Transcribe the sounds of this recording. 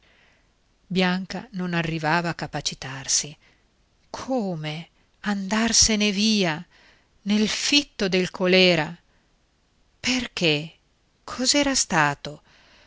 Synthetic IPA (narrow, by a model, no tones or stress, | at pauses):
bjaŋka̰nonarːivaːvaːkːapat͡ʃit̪arsi | kʰoːme | and̪arseneviːa | nelfit̪ːod̪elkʰolɛːɾa | perk̟e | kʰɔzɛːɾast̪aːt̪o